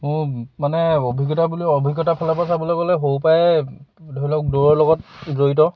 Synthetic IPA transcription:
mʊɹmanɛobʱiɡɔtabuliɔbʱiɡɔtapʰalapas̬abɔlɔkɔlɛɦowpajɛdʱɔilɔk̚doɹɔɹlɔɡɔt̚zojtɔ

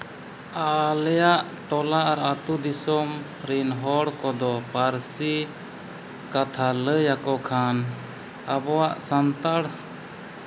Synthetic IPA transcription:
alɛjaʔ | ʈɔlaʔaɾat̪ud̪isɔm | ɾinɦɔɽkɔd̪ɔpaɾsi | kat̪ʰaləjakɔkʰan | abɔwaʔsant̪aɽ

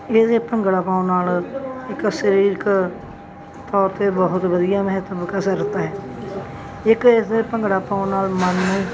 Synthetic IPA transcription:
eːd̪eːpəŋɡɽaːpaːõnaːlɪksəɾiːɾk | t̪ɔːɾt̪eːbəɦʊt̪ʋəd̪ijaːməɦət̪əbkasəɾət̪aːɦɛː | ɪkɪsd̪eːpəŋɡɽaːpaːõnaːlmənːẽː

